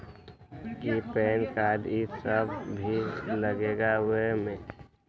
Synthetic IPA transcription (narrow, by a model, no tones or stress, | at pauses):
kipɛːnkadisəbʱbʱiləɡeɡawemẽː